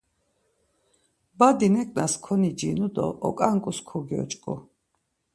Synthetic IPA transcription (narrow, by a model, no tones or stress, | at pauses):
bad̪inɛkʼnaskʰɔnid͡ʒinud̪ɔ̰ʔːkʼaŋkʼuskʰɔɡiɔ̰t͡ʃʼkʼṵ